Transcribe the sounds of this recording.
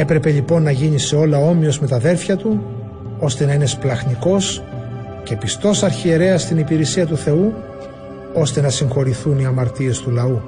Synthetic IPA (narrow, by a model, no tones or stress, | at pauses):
e̞pɾe̞pe̞ʎipo̞nːɐʝiniseo̞lɐo̞mio̞zme̞t̪ɐðe̞lfçɐt̪u | o̞st̪e̞nɐine̞splɐxniko̞s | ce̞pist̪o̞sɐɾçie̞ɾe̞ɐst̪inipiɾesiɐt̪uθe̞u | o̞st̪e̞nɐsiŋxo̞ɾiθuniɐmɐɾt̪ie̞st̪ulɐu